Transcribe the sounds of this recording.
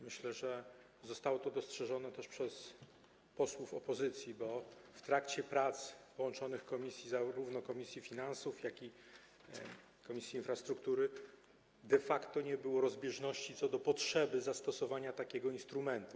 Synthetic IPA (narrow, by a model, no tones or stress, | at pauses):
mɘɕlɛʐɛ | zɔst̪awɔt̪ɔd̪ɔstʂɛʐɔnɛt̪ɛʂpʂɛs | pɔswufɔ̰pɔzɘt̪sʲjibɔft̪ɾakt͡ɕɛpɾat̪spɔwɔnt͡ʂɔnɘxkɔmʲisʲjizaɾuvnɔkɔmʲisʲjifʲinansufjakʲi | kɔmʲisʲjiːnfɾast̪ɾukt̪uɾɘ | d̪ɛfakt̪ɔɲɛbɘwɔɾɔzbʲjɛʐnɔɕt͡ɕit̪sɔd̪ɔpɔtʂɛbɘzast̪ɔsɔvaɲat̪akʲɛɡɔinst̪ɾumɛnt̪u